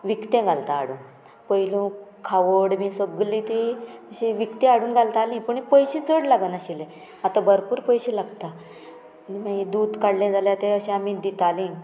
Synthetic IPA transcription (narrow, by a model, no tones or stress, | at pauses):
ʋikt̪ẽɡʱalt̪aːɽuːn | pəjlũkʰaʋəɽmĩsəɡlĩt̪iəɕiʋikt̪ẽaɽuːnɡʱalt̪alĩpəɳipəjɕĩt͡səɽlaɡənaɕile | at̪abəɾpuːɾpəjɕĩlaɡt̪a | nimaɡid̪ud̪kaɽlẽd͡zaljat̪eəɕẽamid̪it̪alĩ